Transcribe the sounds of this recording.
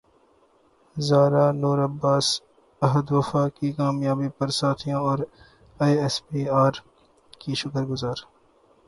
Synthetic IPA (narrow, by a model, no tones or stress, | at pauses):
zaːɾaːnuːɾɐbːaːs | ɐɦəd̪ʋɐfaːkikaːmjaːbipɐɾsaːt̪ʰijãɔːɾ | aːjɛspiːaːɾ | kiʃʊkəɾɡʊzaːɾ